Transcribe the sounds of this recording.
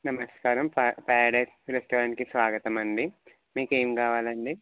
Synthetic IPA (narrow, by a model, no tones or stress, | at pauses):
nɐmɐskaːɾɐmpːpɛːɽɐsɾesʈoːɾɐnkisʋaːɡɐt̪ɐmɐɳɖi | miːkeːmikaːʋaːlɐɳɖi